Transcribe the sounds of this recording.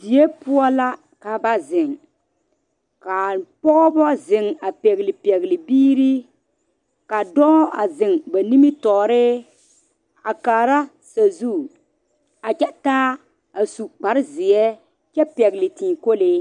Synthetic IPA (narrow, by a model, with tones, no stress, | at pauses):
bi˨je˦pʊ˦ɔ˦la˦ | ka˨ba˦zɪ˨ŋ | ka˨pɔ˦ʔɔ˦bɔ˦zɪ˨ŋa˨pɛ˨ɣɪ˨lɪ˨pɛ˨ɣlɪ˨biː˦ɾi˦ | ka˨dɔː˦a˨zɪ˨ŋba˨ni˦mi˦tɔː˨ɾɪ˦ | a˨kaː˨ɾa˦ | sa˨zu˦˨ | a˨t͡ʃɛ˦taː˦ | a˨su˨k͡pa˨ɾɪ˦zɪ˨ɛ˦ | t͡ʃɛ˦pɛ˨ɡɪ˨lɪ˨tĩː˨ko˦le˦